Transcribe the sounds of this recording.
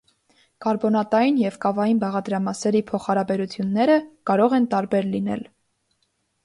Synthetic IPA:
kɑɾbɔnɑt̪ɑjinjɛvkɑvɑjinbɑʁɑd̪ɾɑmɑsɛɾipʰɔχhɑɾɑbɛɾut͡sʰjunːɛɾəkɑɾɔʁɛnt̪ɑɾbɛɾlinɛ̰l

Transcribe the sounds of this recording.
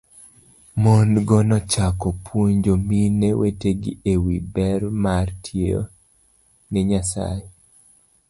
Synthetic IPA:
monɡɔnɔt͡ʃakɔpwoɲd͡ʒomineweteɡɪ̰ʔewibɛɾmartʰjeo̰ | nɛɲasa̰je

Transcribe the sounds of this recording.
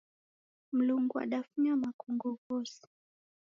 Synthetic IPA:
m̩luŋɡua̰ɗafuɲamakuŋɡɔvɔsi̥

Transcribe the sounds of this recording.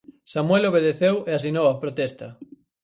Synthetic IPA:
samweloβ̞eðeθeweasinowapɾot̪ɛst̪ɐ

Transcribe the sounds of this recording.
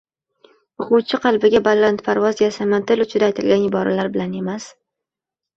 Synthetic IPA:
ʊqʊwt͡ʃʰɪqʰɑlˠbɪɡʲabalːant̪pʰaɾvɒzɡʲasamant̪ɪlʊt͡ʃʰɪd̪ajt̪ʰɪlɡʲanɪbɒɾʔalaɾbɪlane̞mas

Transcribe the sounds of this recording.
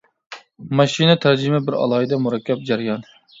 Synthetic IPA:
mɑʃinɨt̪ʰæɾd͡ʒimɪbɪɾɑ̰lˠɑid̪ɛmuɾɛkʲːɛp̚d͡ʒæɾjɑn

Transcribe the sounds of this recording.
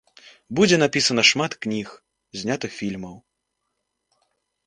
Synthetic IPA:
bud͡zʲɛnapʲisɐnɐʂmat̪knʲix | zʲnʲat̪ɨxfʲilʲmɐw

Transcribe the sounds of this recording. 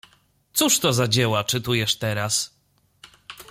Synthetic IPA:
t̪suʂt̪ɔzad͡ʑɛwat͡ʂɘt̪ujɛʂt̪ɛɾas

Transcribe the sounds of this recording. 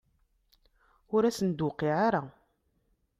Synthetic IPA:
ʊɾæsənd̪ʊqiʕaɾa

